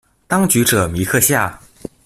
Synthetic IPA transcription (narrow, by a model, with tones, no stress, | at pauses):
t̪ɑ˥ŋt͡ɕy˧˥ʈ͡ʂɤ˨˩mi˧˥kʰɤ˥˧ɕja˥˩